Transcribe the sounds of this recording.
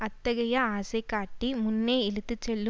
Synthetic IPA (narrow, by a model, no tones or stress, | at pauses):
ɐt̪ːɐɡɐjɐaːsekaːʈːimunːeːilit̪it͡ʃeɭːu